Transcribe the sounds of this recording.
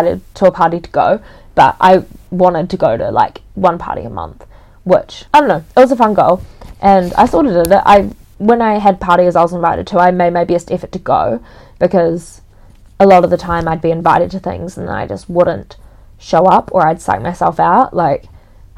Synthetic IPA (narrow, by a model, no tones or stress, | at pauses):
ɾɨ̰d̚tʰəəpʰɑɹɾiɾəɡ̥o̰ʊ | b̥ʌ̰ɾʔa̰ɪwɑ̃ñɨd̚tʰɨɡoʊɾɨ̰la̰ɪkwʌ̃npʰɑ̰ɹɾḭə̰mʌ̰̃nθ | wɪt͡ʃaɪdõʊ̃noʊɨt̚wʌzəfʌ̃nɡoʊlˠʔɨ̃na̰ɪθɔɾɨɾɪɾɪ̰ʔʔa̰ɪwə̃naɪɨd̚pʰɑɹɾiɨzaɪwʌzə̃ɱvaɪɾɨ̰d̚tʰɨaɪmeɪmeɪbiɨstɛfɨtʰɨɡ̥o̰ʊ | b̥ɨkʰʌz̥ | əlɔɾʌvðɨtʰãɪ̃maɪd̚biɨ̃ɱvaɪɾɨd̚tʰɨθɪ̰̃ŋzn̩a̰ɪd͡ʒʌst̚wʊdⁿn̩t | ʃoʊʌpʰə˞aɪd̥sa̰ɪk̚maɪsɛ̰lˠfaʊʔlaɪk